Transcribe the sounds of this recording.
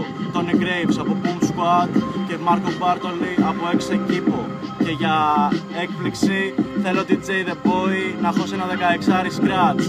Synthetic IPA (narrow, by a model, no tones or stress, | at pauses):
t̪o̞niɡɾejvsɐpo̞pumskwɐt̪ce̞mɐɾkobɐɾt̪oliɐpoe̞ksecipo | ce̞ʝɐ | e̞k̚pliksiθe̞loot̪id͡zejðebo̞inɐxosenɐðe̞kɐeksɐɾisɡɾɐt̪s